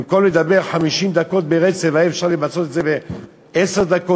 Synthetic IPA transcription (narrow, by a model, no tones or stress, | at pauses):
mkolled̪abe̞ʁħamiʃimd̪ako̞t̪̚beʁet͡sevaiefʃaʁlevat͡so̞t̪et̪zebe | eseʁd̪ako